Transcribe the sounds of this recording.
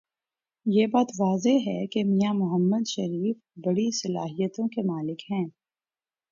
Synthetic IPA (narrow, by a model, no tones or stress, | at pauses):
jeːbaːt̪ʋaːzeɦɛkemijamʊɦəmːəd̪ʃɐɾiːf | bɐɽisɐlaːɦijət̪õkemaːlɪkhɛ̃ː